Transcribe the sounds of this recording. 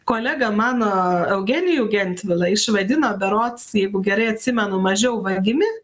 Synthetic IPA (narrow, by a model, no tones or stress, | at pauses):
koːlʲæːɡɐmɑːnoːɛʊɡʲɛnʲɪjuːɡʲɛnʲt̪ʲʋʲɪlˠɐɪʃʋɐd̪ʲɪnoːbʲɛɾoːt̪sjɛɪɡʊɡʲɛɾɐɪɐt̪ʲsʲɪmʲɛnʊmɐʒʲɛʊʋɐɡʲɪmʲɪ